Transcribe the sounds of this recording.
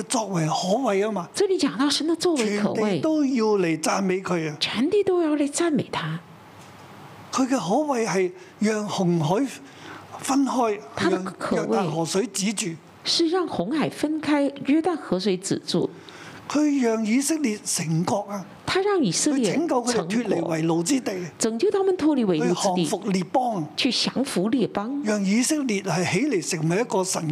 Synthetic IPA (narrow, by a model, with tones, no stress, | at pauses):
ɛ˧t͡sɔː˧k̚wɐ˨˩jhɔː˨˥wɐ˨jaː˥maː˧ʈ͡ʂɤ˥˩li˧˥t͡ɕjɑ˨˩ŋt̪ɑ˥˩ʊʂə˧˥nd̪ə˨˧t͡swɔ˥˩wɪ˨˩kʰɤ̰˨˩we˧˥˩ɪt̪o˥wjiː˧wle˨˩jt͡saː˧nme˨˧jkʰɵ˨˧ɥa˧t͡ɕʰɥɛ˧˥nt̪i˥˩t̪o˥ʊjɑ˥˩ʊle˧˥˩ɪt͡sa˥˩nme˨˩ɪt̪ʰa˥ | kʰɵ˨˧ɥkɛ˧hɔː˨˥wɐ˨jhɐ˨j | jœː˨ŋhʊ˨˩ŋɦɔː˨˥j | fɐ˥nhɔː˥jt̪ʰa˥ə˨kʰɤː˨˧kwe˥a˨˩ɪ˩hɔː˨˩sɵ˨˥ɥt͡siː˨˥t͡ʃyː˨ | ʂɻ̩˥˧ɻɑ˥˩ŋxʊ˧˥ŋxa˨˩ɪfə˥nkʰa˥ɪɥɛ˥t̪a˥˩nxɤ˧˥s̬we˧˥ɪt͡sɹ̩̰˨˩t͡sṵ˥˩ | kʰɵ˨˧ɥjœː˨ŋjiː˨˧sɪ˥k̚li˨t̚sɪ˨˩ŋkɔː˧k̚aː˧ | t̪ʰa˥ɻɑ˥˩ŋi˨˩sɤ˥˧˥ljɛ˥˩ɪ˨˥ŋkɐ˧wkʰɵ˧d̪ŋt̪ʰyː˧t̚le˨˩wɐ˨˩jlo˨˧wt͡siː˥t̪e˨jt͡sɤ˨˩ŋt͡ɕjo˥˩ʊt̪ʰa˥mə˨nt̪ʰwɔ˥˧li˧˥we˨˩ɪlu˧˥˧hɹɔː˥˨˩t̪ḭ˨˩fʊ˨k̚liː˨t̚pɔː˥ŋt͡ɕʰy˥˩ɕjɑ˧˥ŋfu˧˥li˥˩pɑ˥ŋjœː˨ŋjiː˨˧sɪ˥k̚liː˨t̚hɐ˨jhe˨˥jle˨˩jsɪ˨k̚mɐ˨jɐ˥t̚kɔː˧sɐ˨˩n